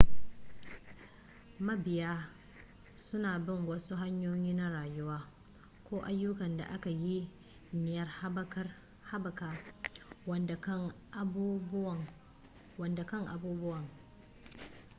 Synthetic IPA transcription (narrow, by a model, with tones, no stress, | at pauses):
mɐ˦bɪ˨jaː˦ | sʊ˦naː˨bɪ˦˨ŋwɐ˦su˦ɦa˦ɲjoː˦jiː˦na˦ɽaː˨jʊ˦waː˦ | kʷoː˦ʔa˦jːʊ˦kɐ˨nda̰˨ʔa˦ka˨ji˦ | nɪ˨jɐ˦r | ha˦bɐ˨kaː˨ | ɐ˦ŋ˦˨ | wɐ˨nda˨kɐ˦˨ŋʔa˨buː˦bʊ˦wɐ˨ŋ